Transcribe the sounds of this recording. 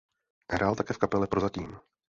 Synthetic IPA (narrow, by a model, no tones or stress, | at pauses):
ɦɾʔaːlt̪akɛːfkapɛlɛpɾozat̪iːm